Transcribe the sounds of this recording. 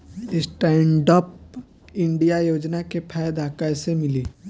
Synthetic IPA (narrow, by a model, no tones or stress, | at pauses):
ɪsʈɛːɳɖɔːp̚ | ɪ̃ɳɖijajoːd͡ʒnakepʰɛːjd̪aːkaɾsemɪliː